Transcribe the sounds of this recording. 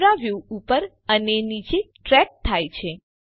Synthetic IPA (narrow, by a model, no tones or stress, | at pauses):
ɾaʋjuupəɾ | ənenit͡ʃeʈɾɛk̚t̪ʰajt͡ʃʰe